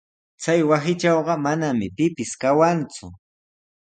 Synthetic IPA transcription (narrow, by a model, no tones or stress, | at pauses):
t͡sajwasɪt͡ʃɑwɢɑmanamɪpɪpɪskawant͡sʊ